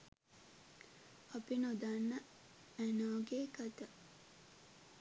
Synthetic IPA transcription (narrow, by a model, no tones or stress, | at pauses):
ɐpinod̪anːɐ | ænaːɡeːkɐt̪ɐ